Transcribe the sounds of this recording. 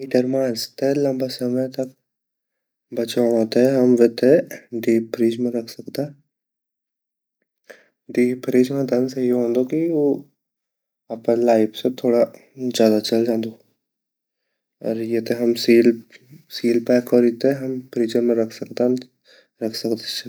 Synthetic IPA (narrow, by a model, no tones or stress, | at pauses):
iːʈəɾmãːd͡ʒt̪elɐ̃mbasɐməjt̪ɐk | bɐt͡ʃaɽ̃ɦõːt̪eɦɛɦɐmʋet̪eɖiːpʰɾiːd͡ʒmẽɾɐkʰsɐkt̪a | ɖiːpɾiːd͡ʒmẽd̪ənsejeɦõːnd̪okio | ɐpelaːɪpset̪ʰoːɽa | zjaːd̪at͡ʃɐld͡ʒãːnd̪o | ɔ̰ːɾjet̪eɦɐmsiːlsiːlpɛːkɔɾit̪eɦɐmpɾiːd͡ʒəɾmẽɾɐkʰsɐkt̪a | ɾɐkʰsɐkt̪et͡ʃ